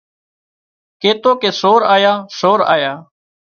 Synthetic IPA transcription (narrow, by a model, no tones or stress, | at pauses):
keːt̪oːkeːsoːɾaːjaːsoːɾa̰ːjaː